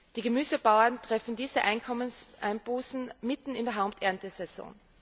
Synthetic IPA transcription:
d̥iːɡəmyːzəbaʊɐntʁ̥ɛfn̩diːzəʔaɪnkʰɔmənsʔa̰ɪnb̥uːsn̩mɪtn̩ɪndeːɐɦaʊp̚tʰɛɐntəsɛso̰ːn

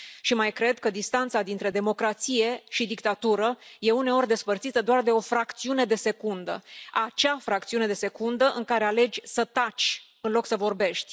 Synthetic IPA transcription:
ʃimajkɾe̞d̪kəd̪ist̪ant̪sad̪int̪ɾe̞d̪e̞mo̞kɾat̪sije̞ʃid̪ikt̪at̪uɾəje̞une̞o̞rʲd̪e̞spərt̪sit̪əd̪oard̪e̞o̞fɾakt̪siune̞d̪e̞se̞kund̪ə̰at͡ʃafɾak̚t̪siune̞d̪e̞se̞kund̪əʔɨŋkaɾe̞ale̞d͡ʒʲsət̪at͡ʃʲ | ɨnlo̞ksəvo̞rbe̞ʃt̪ʲ

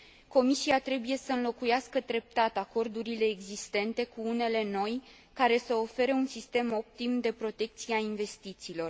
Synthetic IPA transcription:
ko̞misiat̪ɾe̞buje̞səɨnlo̞kujaskəd̪ɾe̞p̚t̪at̪ako̞rd̪uɾile̞ːɡzist̪e̞nt̪e̞kuune̞le̞no̞j | kaɾe̞səofe̞ɾəunsist̪e̞mo̞p̚t̪imd̪e̞pɾo̞t̪e̞k̚t̪sieainve̞st̪it̪siːlo̞r

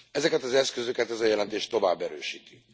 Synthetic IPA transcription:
ɛzɛkɛt̪ɒzɛskøzø̞kɛt̪ɛzɒjɛlɛnt̪eːʃt̪o̞vaːbːɛɾøːʃiːt̪y̥

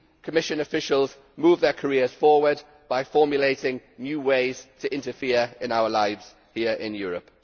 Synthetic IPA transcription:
kʰəmɪʃə̃nəfɪʃəlˠz | muːvðəkʰəɹɪəz̥fɔːwəd | b̥aɪfɔːmjəleɪtɪ̃ŋnjʉːweɪz̥tʰəʔɪ̃ntəfɪəɹɪ̃naʊəlaɪvz̥ | hiəɹɪ̰̃njɔːɹəp

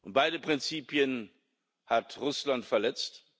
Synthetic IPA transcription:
ʔʊnt̚b̥aɪdəpʁ̥ɪnt͡siːpjən | hatʁʊslantfɛɐlɛt͡st

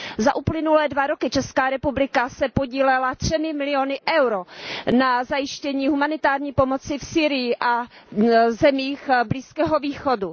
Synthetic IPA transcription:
zaʔuplɪnulɛːdvaɾo̞kɪt͡ʃɛskaːɾɛpublɪkasɛpo̞ɟiːlɛlat̪r̝̥ɛmɪmɪlɪjonɪʔɛwɾonazajɪʃcɛɲiːɦumanɪt̪aːɾɲiːpo̞mot͡sɪfsiːɾɪjɪʔa | zɛmiːxbliːskɛːɦo̞viːxo̞du

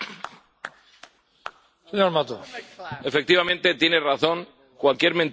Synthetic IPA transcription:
seɲoɾmat̪oefe̞k̚t̪iβamẽnt̪e̞t̪je̞neraθo̞ŋ | kwalkje̞ɾmen

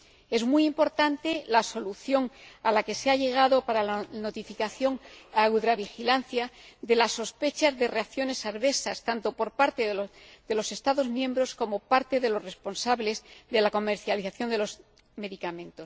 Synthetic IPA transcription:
e̞zmujimpo̞ɾt̪ant̪elaso̞luθjo̞ŋalake̞seaʎe̞ɣ̞aðo̞paɾalano̞t̪ifikaθjo̞ŋawðɾaβ̞ixilanθjaðe̞lasːo̞spe̞t͡ʃazðe̞reakθjo̞ne̞saɾβe̞sast̪ant̪o̞po̞ɾpaɾt̪e̞ððe̞lo̞se̞st̪aðo̞zmjẽ̞mbɾo̞sko̞mo̞paɾt̪e̞ðe̞lo̞re̞spo̞nsaβle̞zðe̞lako̞me̞ɾθjaliθaθjo̞nd̪e̞lo̞s | me̞ðikamẽ̞nt̪o̞s

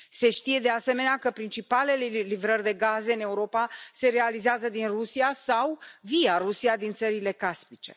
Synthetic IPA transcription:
se̞ʃt̪ije̞d̪e̞ase̞me̞neakəpɾint͡ʃipale̞lelivɾərʲd̪e̞ɡaze̞ɨne̞uɾo̞pase̞ɾe̞alizeazəd̪inrusiasawvijarusiad̪int̪səɾile̞kaspit͡ʃe̞̰

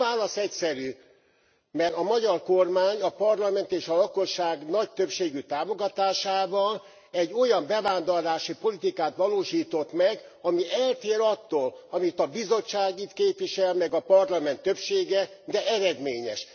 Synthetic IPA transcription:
aːlɒsɛcsɛɾy | mɛrɒmɒɟɒrko̞rmaːɲɒpɒrlɒmɛnt̪eːʃɒlɒko̞ʃːaːɡnɒc̚t̪øpʃeːɡyt̪aːmo̞ɡɒt̪aːʃaːbɒn | ɛɟːo̞jɒmbɛvaːnd̪orlaːʃipo̞lit̪ikaːt̪ʋɒloːʃiːt̪o̞t̪mɛɡɒmiʔɛlt̪eːɾɒt̪ːoːlɒmit̪ɒbizo̞t͡ʃːaːɡit̪keːpvʋiʃɛlmɛɡɒpɒrlɒmɛnt̪ːøpʃeːɡɛd̪ɛʔɛɾɛd̪meːɲɛʃ

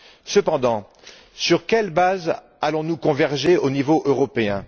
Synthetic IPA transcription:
səpɑ̃d̪ɑ̃ | syʁkʲɛlbaz | alɔ̃nukɔ̃vɛʁʒeonivoʔøʁɔpeɛ̃

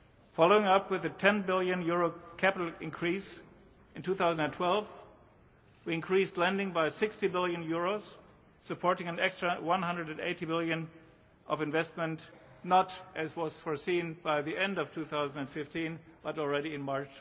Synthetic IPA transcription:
fɑlˠoʊɪ̃ŋʌpʰwɨðɨtʰɛ̃nbɪlˠjɨ̃njʊɹoʊkʰæpɪɾl̩ˠɪ̃nkʰɹ̥is | ɨ̃ntʰuθaʊzn̩dɨ̃ntʰw̥ɛlˠv | wiɨ̃nkʰɹ̥istˡlɛ̃ndɪ̃ŋbaɪsɪkstibɪlˠjɨ̃njʊɹoʊz̥ | sɨpʰɔɹɾɪ̃ŋɨ̃nɛkstɹ̥əwʌ̃nɦʌ̃ndɹəɾɨ̃ndḛɪɾibɪlˠjɨ̃n | ʔʌvɨ̃ɱvɛst̚mə̃ntnəɾʔɨzwʌz̥fɔɹsĩnbaɪðiʔɛ̃ndʌv̥tʰuθaʊzn̩dɨ̃nfɪftĩnb̥ʌɾl̩ˠɹɛɾiɨ̃nmɑɹt͡ʃ

